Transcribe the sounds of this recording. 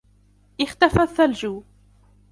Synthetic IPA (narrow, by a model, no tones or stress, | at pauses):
ʔɪxt̪afaθːald͡ʒuː